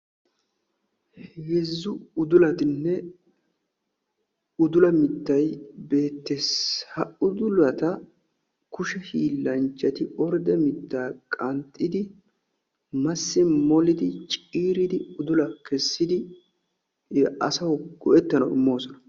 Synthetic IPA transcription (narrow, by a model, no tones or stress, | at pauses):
jɛzːʊʊd̪ʊlɐt̪ɪnːɛ | ʊd̪ʊlɐmɪt̪ːɐjbe̞ːt̪ːeshɐʊd̪ʊlɐt̪ɐ | kʊʃɛhiːlːɐnt͡ʃʼːɐt̪ɪɔɾd̪ɛmɪt̪ːaːkʼɐnt̪ʼːɪd̪ɪ | mɐsːɪmɔlɪd̪ɪt͡ʃʼiːɾɪd̪ɪʊd̪ʊlɐkɛsːɪd̪ɪ | ɐ̰sɐwɡ̥ɔʔɛt̪ːɐnɐwɪ̰mːo̞ːsɔnɐ